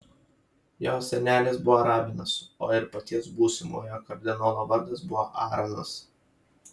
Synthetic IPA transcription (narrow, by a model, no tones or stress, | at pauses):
joːsʲɛnʲæːlʲɪsbʊʋoːɾɑːbʲɪnɐsoːɪɾpɐt̪ʲiɛsbuːsʲɪmo̰ːjoːkɐɾʲd̪ʲɪnoːlˠoːʋɐɾd̪ɐsbʊʋoːʔɑːɾɐnɐs